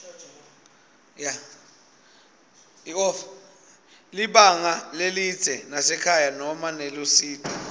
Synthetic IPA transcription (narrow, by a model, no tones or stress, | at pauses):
ja | ɔ | liɓaŋaleli̥z̥ʱɛnasɛkʰajanɔmanɛlosiːtʰɔ̥